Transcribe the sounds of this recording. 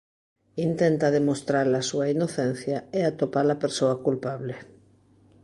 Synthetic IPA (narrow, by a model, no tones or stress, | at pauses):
int̪ɛnt̪ɐðemost̪ɾaɾlasuainoθɛn̟θjɐeat̪opalɐpeɾsoakulpaβle